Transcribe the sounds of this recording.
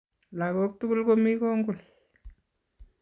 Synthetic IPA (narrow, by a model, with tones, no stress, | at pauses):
la˨ko˦k̚tu˦ku˦lko˦mi˦kɔ˦ŋɡu˨l